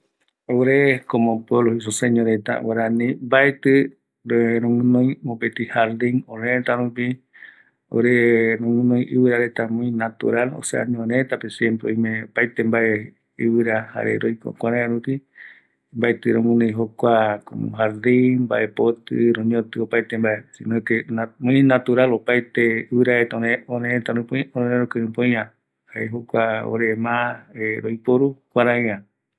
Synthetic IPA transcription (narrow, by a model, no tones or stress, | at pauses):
oɾekomõpweβlohis̬useɲõɾet̪a̰waɾanĩmbaet̪ɨ | ɾɾõŋɨ̃nõj̃mopet̪ihaɾd̪ĩŋõɾẽt̪aɾũp̬i | o̰ɾeɾõŋɨ̃nõj̃ʔiwɨɾaɾet̪amõĩnat̪ṵɾalo̰sḛa̰ɲõɾet̪apesjempɾeõjmẽpaet̪embaʔe | iβɨɾaha̰ɾḛɾojko̰kʷaɾẽãɾupi | mbaet̪ɨɾõmũnĩɦokʷakoṵ̃ɦad̪imba̰ʔepot̪ɨɾõɲõt̪ɨopajt̪embaesint̪emõĩnat̪uɾalopajt̪eɨβɨɾaet̪aõẽoɾẽet̪aɾũpõĩõõɾẽɾokɨɾɨ̃põj̃ã | haeɦokʷao̰ɾemãeɾojpoɾukʷaɾãj̃ã